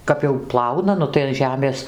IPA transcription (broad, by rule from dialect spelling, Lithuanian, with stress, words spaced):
ˈkɐp jɛʊ ˈplˠɐʊnɐ ˈnʊ tɐɪ ɐn ˈʒʲæːmʲeːs